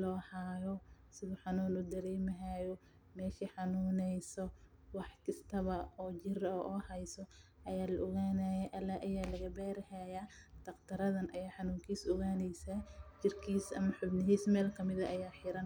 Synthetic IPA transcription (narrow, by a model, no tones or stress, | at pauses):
lɔːhaːjɔ | sɪβʊħɑnuːnʊd̪ɐɾɛːmɐɦaːjɔ | mɛːʃiħɑnuːnɛjsɔ | wɑħkʰɐst̪ʰɐβɐɔːt͡ʃɪrɔʔɔːhɛjsɔ | ʔɐjaːlɐʔɔɣaːnaːjɛʔɐlaːʔɐjaːlɐɣɐbɛːɾhɛjaːd̪̥ɐqt̪ʰɐɾɐðɐnʔɐjaːħɑnuːŋkʰiːsɔɣaːnɛjsat͡ʃɪrkʰiːsɐ̰mɐħʊbnɪɦiːsmɛːlkʰɐmɪðɐʔɐjaːħɪɾɐn